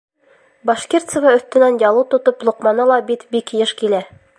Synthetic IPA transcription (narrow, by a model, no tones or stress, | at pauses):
bɑʃkʲert̪sə̆vɑɵ̆θt̪ɘ̆nænjɒlˠɤt̪ŏt̪oplˠŭqmɑnɤlˠɑbit̪bikjɤʃkilæ